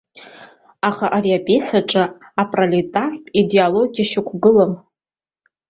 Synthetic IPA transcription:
aχaʔaɾiapʼesaʈ͡ʂʼaapʼralitʼarpʼidialo̞ɡʲiaʃɪkʷʰɡɨlam

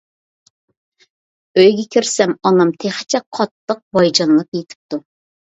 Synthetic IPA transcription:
øjɡʲɛkʲʰiɾsɛmɑnɑmt̪ʰeχɪ̥t͡ʃʰɛkqʰːɑt̪ːəq̚bɑjd͡ʒɑnlˠəpjet̪ʰɪ̥p̚t̪u

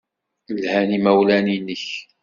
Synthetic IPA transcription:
lhænimæwlæninːəç

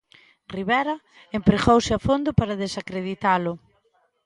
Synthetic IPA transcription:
riβɛɾɐ | empɾeɣowsɪafond̪ʊpaɾɐðesakɾeðit̪alʊ

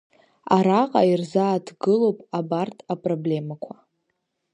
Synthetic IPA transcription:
aɾaqʼa̰irzaːtʰɡɨlo̞wpʼabartʰʼapʼroble̞makʷʰa

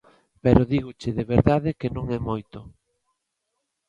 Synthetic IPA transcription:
pɛɾoðiɣot͡ʃɪðeβeɾðaðɪkenõŋɛmojt̪o

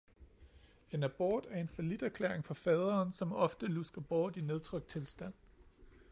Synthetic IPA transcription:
e̝næb̥ɒːd̥æɐe̝nfɒlid̥æɐkʰlḛːɐeŋfɒ̽fɛːð̞ˠɐːnsɒ̽mɒ̽fd̥əlusɡ̥ɐb̥ɒːd̥ine̝ðˠt͡sʰʁœɡ̥d̥̚t͡sʰe̝lsd̥æn̰

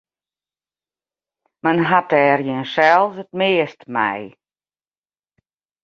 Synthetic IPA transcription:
mənɦatɛːrjɪnsɛlˠsət̚mɪəstmɛ̰j

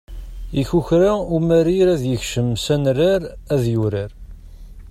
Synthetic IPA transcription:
içuçɾaumæɾiɾæðjəçʃəmsænraɾæðjuɾaɾ

